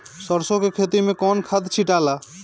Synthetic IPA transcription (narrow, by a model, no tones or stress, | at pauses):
sɔɾsõkekʰet̪imẽkɔnkʰad̪t͡ʃʰiʈala